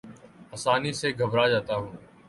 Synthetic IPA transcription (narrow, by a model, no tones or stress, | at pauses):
əːsaːniːseɡʱəbɾaːd͡ʒaːt̪aːɦũː